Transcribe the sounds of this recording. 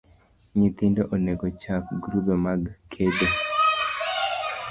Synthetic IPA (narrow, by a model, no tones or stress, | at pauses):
ɲit̪indoʔoneɡot͡ʃakɡɾubemaɡkʰedo